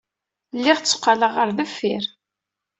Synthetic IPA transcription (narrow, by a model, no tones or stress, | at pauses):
lːɪʁt͡sːʊ̥qːɑləʁːəɾðəfːiɾ